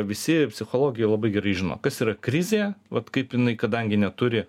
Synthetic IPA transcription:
ʋʲɪsʲɪpʲsʲɪxoːlˠoːɡʲɪjɛɪlˠɐbɐɪɡʲɛɾɐɪʒʲɪno̰ːkɐsiːɾɐkɾʲɪzʲeːʋɐt̪kɐɪpjɪnɐɪkɐd̪ɐŋʲɡʲɪnʲɛt̪ʊɾʲɪ

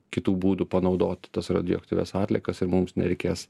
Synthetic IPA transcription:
kʲɪt̪uːbuːd̪upɐnɒʊd̪oːt̪ʲt̪ɐsɾɐ̰d̪ʲɪɔ̰k̚t̪ʲiːʋʲɛ̰sɑːt̪ʲlʲɛkɐsɪɾmʊmsnʲɛ̰ɾʲɛɪkʲeːs

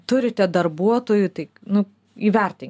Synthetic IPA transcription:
t̪ʊɾʲɪt̪ʲɛd̪ɐrbuɔt̪oːjut̪ɐɪnʊ | iːʋʲɛrʲt̪ʲɪŋ

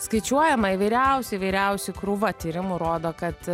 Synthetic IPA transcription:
skɐɪt͡ʃʲuɔjɛmɐiʋɐɪɾʲɛʊsʲɪʋɐɪɾʲɛʊsʲʊkɾuʋɐt̪ʲiːɾʲɪmuɾoːd̪oːkɐt̪

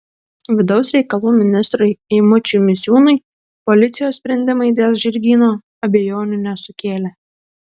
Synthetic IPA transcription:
ʋʲɪd̪ɒʊsɾʲɛɪkɐlˠuːmʲɪnʲɪst̪ɾʊɪɪmʊt͡ʃʲumʲɪsʲjuːnɐɪ | pɔlʲɪt̪sʲɪjoːssʲpʲɾʲɛnʲd̪ʲɪmɐɪd̪ʲeːlˠʒʲɪɾʲɡʲiːnoː | ɐbʲɛjoːnʲʊnʲɛsʊkʲeːlʲeː

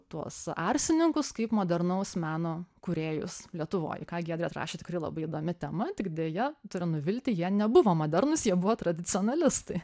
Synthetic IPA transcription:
t̪uɔsɑrʲsʲɪnʲɪŋkʊskɐɪpmoːd̪ʲɛrnɐʊsmʲæːnoːkʊɾʲeːjʊ̰slʲiɛt̪ʊʋo̰ːjɪkɑːɡʲiːd̪ʲɾʲɛt̪rɑ̰ːʃʲeːt̪ʲɪkrɐɪlˠɐ̰bɐɪid̪oːmʲɪt̪ʲɛmɐt̪ʲɪkd̪ʲeːjɛt̪ʊɾʲɪnʊʋʲɪlʲt̪ʲɪjiɛnʲɛbʊʋoːmoːd̪ʲɛrnʊsjiɛbʊʋoːt̪ɾɐd̪ʲɪt͡s̪ʲɪoːnɐlʲɪst̪ɐɪ

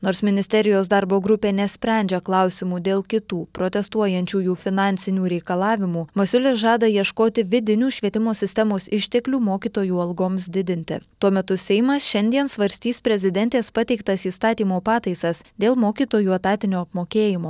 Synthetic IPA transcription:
noːɾsmʲɪnʲɪsʲt̪ʲɛɾʲɪjoːsd̪ɐɾboːɡɾʊpʲeːnʲɛsʲpʲɾʲɛˑnʲd͡ʒʲɛklˠɑʊsʲɪmuːd̪ʲeːlˠkʲɪt̪uːpɾoːt̪ʲɛst̪uɔjɛnʲt͡ʃʲuːjuːfʲɪnɑːnʲt̪sʲɪnʲuːɾʲɛɪkɐlˠɑːʋʲɪmuːmɐsʲʊlʲɪsʒɑːd̪ɐjiɛʃkoːt̪ʲɪʋʲɪd̪ʲɪnʲuːʃʲʋʲiɛt̪ʲɪmoːsʲɪsʲt̪ʲɛmoːsɪʃʲt̪ʲɛklʲuːmoːkʲiːt̪oːjuːɐlˠɡoːmsd̪ʲɪd̪ʲɪnʲt̪ʲɪ̰t̪uɔmʲɛt̪ʊsʲɛɪmɐsʃʲɛnʲd̪ʲiɛnsʋɐɾʲsʲt̪ʲiːspʲɾʲɛzʲɪd̪ʲɛnʲt̪ʲeːspɑt̪ʲɛɪkt̪ɐsiːst̪ɑːt̪ʲiːmoːpɑːt̪ɐɪsɐsd̪ʲeːlˠmoːkʲiːt̪oːjuːɐt̪ɑːt̪ʲɪnʲoːɐpmoːkʲeːjɪmoː

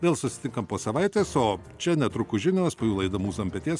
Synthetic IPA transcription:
ʋʲeːlˠsʊsʲɪ̥t̪ʲɪŋkɐmpoːsɐʋɐɪt̪ʲeːsoː | t͡ʃʲɛnʲɛt̪ɾʊkʊʒʲɪnʲospoːjuːlˠɐɪd̪ɐmuːsɐmʲpʲɛt̪ʲiɛs

